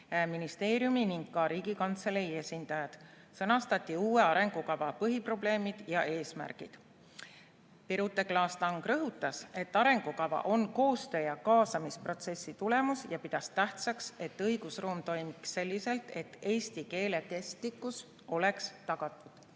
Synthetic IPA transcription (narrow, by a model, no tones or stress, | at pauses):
æminist̪e̞ːɾijuminiŋɡkɑɾiːɡ̥ikɑnt̪seleie̞sʲind̪̥ɑjɑd̪̥ | sɤnɑst̪ɑt̪ʲˑːiuːe̞ɑɾe̞ŋɡ̥ukɑvɑpɤɦipro̞ble̞ːmid̪̥jɑʔe̞ːsmæ̰rɡ̥ḭd̪̥ | piɾut̪ːˑe̞klɑːst̪ɑŋɡ̥rɤɦut̪ːˑɑse̞t̪ːˑɑɾe̞ŋɡ̥ukɑvɑ̰ʔo̞nko̞ːst̪ø̞ːjɑkɑːsɑmispro̞t̪se̞sːit̪ule̞musjɑpid̪̥ɑst̪ːæht̪sɑkse̞t̪ːɤjɡ̥usruːmt̪o̞jmiksːe̞lʲːise̞lt̪e̞t̪ːe̞ːst̪ike̞ːle̞ke̞st̪likːˑus | o̞le̞kst̪ɑɡ̥ɑt̪ːˑud̪̥